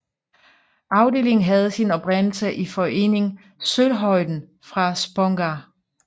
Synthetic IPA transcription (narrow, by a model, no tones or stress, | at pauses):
ɑ̈ʊde̝ːle̝ŋn̩ɦæð̞̩ˠsinɒ̽b̥ʁen̰l̩səʔifɒ̽e̝̰ːne̝ŋ | sølɦɒ̽ɪ̰d̥n̩ | fʁɑ̈sb̥ɔŋɡ̥æ